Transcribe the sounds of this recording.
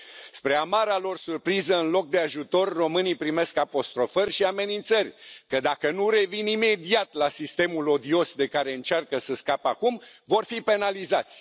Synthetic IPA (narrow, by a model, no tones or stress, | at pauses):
spɾe̞amaɾalo̞rsurpɾizəɨnlo̞k̚d̪eaʒut̪o̞rːo̞mɨnijpɾime̞skapo̞st̪ɾo̞fərʲʃiame̞nint̪sərʲkəd̪akənuɾe̞vinime̞d̪iat̪lasist̪e̞mulo̞d̪io̞sd̪e̞kaɾe̞ɨnt͡ʃarkəsəskapəakumvo̞rfipe̞nalizat̪sʲ